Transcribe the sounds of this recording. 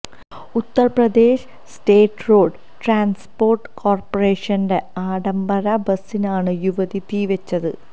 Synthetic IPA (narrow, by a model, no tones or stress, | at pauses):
ut̪ːɐrprɐd̪e̞ːʂ | ste̞ːʈːro̞ːɖɨ | ʈraːnspo̞ːrʈːɨ̥kʰoːrpɐreːʂɐnde̞aːɽɐmbɐɾɐbɐsːinaːɳɨjuʋɐðipiʋet͡ɕːɐðɨ̰